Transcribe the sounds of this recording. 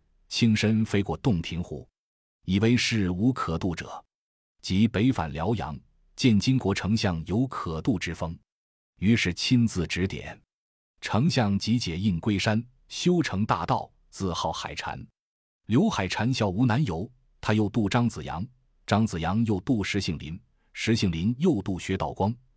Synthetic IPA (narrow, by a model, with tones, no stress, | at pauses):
t͡ɕʰi˥nʂə˥nfe˥ɪkwɔ˥˧t̪ʊ˥˩ŋt̪ʰi˧˥ŋxṵ˥˩ | i˨˩we˥˧ɪʂɻ̩˥˩u˧˥kʰɤ˨˩t̪u˥˩ʈ͡ʂɤ̰˨˩˦ | t͡ɕi˧˥pe˧˥ɪfa̰˨˩nljɑ˧˥ʊjɑ̰˧˥ŋ | t͡ɕjɛ˥˩nt͡ɕi˥ŋkwɔ˧˥ʈ͡ʂʰɤ˧˥ŋɕjɑ˥˩ŋjo˧˥ʊkʰɤ˨˩t̪u˥˩ʈ͡ʂɻ̩˥fɤ˥ŋ | y˧˥ʂɻ̩˥˩t͡ɕʰi˥nt͡sɹ̩˥˩ʈ͡ʂɻ̩˧˥t̪jɛ̰˨˩˦n | ʈ͡ʂʰɤ˧˥ŋɕjɑ˥˩ŋt͡ɕi˧˥t͡ɕjɛ˨˩i˥˩nkwe˥ɪʂa˥n | ɕjo˥ʊʈ͡ʂʰɤ˧˥ŋt̪a̰˥˧t̪ɑ˥˩ʊ | t͡sɹ̩˥˧xɑ˥˩ʊxa̰˨˩ɪʈ͡ʂʰa̰˧˥n | ljo˧˥ʊxa˨˩ɪʈ͡ʂʰa˧˥nɕjɑ˧˩ʊu˧˥na˧˥njo˧˥ʊ | t̪ʰa˥jo˥˧ʊt̪u˥˩ʈ͡ʂɑ˥ŋt͡sɹ̩˨˩jɑ̰˧˥ŋ | ʈ͡ʂɑ˥ŋt͡sɹ̩˨˩jɑ˧˥ŋjo˥˧ʊt̪u˥˩ʂɻ̩˧˥ɕi˧˩ŋlḭ˧˥n | ʂɻ̩˧˥ɕi˥˩ŋli˧˥njo˥˧ʊt̪u˥˩ɕɥɛ˧˥t̪ɑ˥˩ʊkwɑ˥ŋ